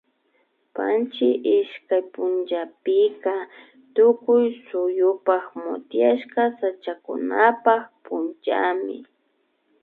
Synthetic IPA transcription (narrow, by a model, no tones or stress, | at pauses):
pa̰nt͡ʃɪʔɪʃkajpʊnt͡ʃapɪka | t̪ʊkʊjsʊjʊpaχmʊ̰t̪jaʃkasat͡ʃakʊ̰napaχpʊnt͡ʃa̰mɪ̰